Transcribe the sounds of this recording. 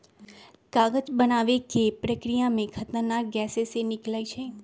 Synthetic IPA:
kaɡəd͡ʒbənaʋekepɾəkɾijamẽkʰət̪nənaɾɡɛsesenɪklait͡ʃʰe

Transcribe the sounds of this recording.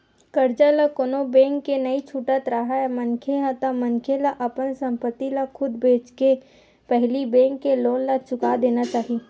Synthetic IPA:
kəɾd͡ʒalakoːnobẽːŋkːenɐit͡ʃʰuʈət̪ɾaɦaɛmɐnkʰeɦat̪amənkʰelaʔɐpənsə̃mpət̪ːilakʰʊd̪beːt͡ʃke | pɛɦlibẽːŋkːeloːnlat͡ʃʊkad̪eːnat͡ʃaːɦi

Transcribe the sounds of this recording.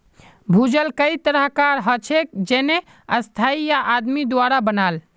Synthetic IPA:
bʱud͡ʒəlkəit̪əɾəɦkaɾɦət͡ʃʰek̚d͡ʒene | əst̪ʰaijaʔad̪mid̪waɾabənal

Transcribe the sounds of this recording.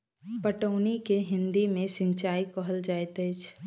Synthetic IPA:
pəʈəːnikeɦɪ̃nd̪imẽsɪ̃ɲt͡ʃaːikɔɦəld͡ʒaːet̪əɪt͡ʃ

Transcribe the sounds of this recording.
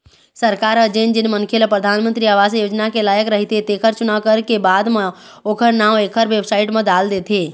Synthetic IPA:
səɾkaːɾəd͡ʒeːnd͡ʒɪnmə̃nkʰelepɾəd̪ʱaːnmə̃nt̪ɾiaːʋaːzjoːd͡ʒnakelaːjəkɾɐɦit̪ʰet̪eːkʰəɾt͡ʃʊnaʋkəɾkebaːd̪me | oːkʰəɾnãːʋeːkʰəɾʋeːbsaːɪʈmẽd̪aːld̪eːt̪ʰeː

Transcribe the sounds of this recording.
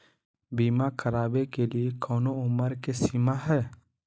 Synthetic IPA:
biːmakʰəɾaːbekeliekɔːnoʊməɾkesiːmaɦɛː

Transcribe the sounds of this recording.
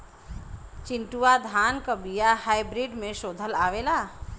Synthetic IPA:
t͡ʃiɳʈuad̪ʱankəbijahajbɾiɖmesod̪ʱəlaʋela

